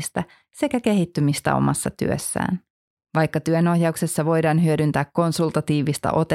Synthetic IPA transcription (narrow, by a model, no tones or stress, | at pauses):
st̪æ | se̞kæke̞ɦit̪ːymist̪æ̰o̰mʔɑ̰sːɑt̪y̰ø̰sːæ̰ːn | ʋɑjkːɑt̪yøno̞hjɑukse̞sːɑʋo̞jdɑːnɦyødynt̪æːkːo̞nsult̪ɑt̪iːʋist̪ɑ̰ʔo̞t̪e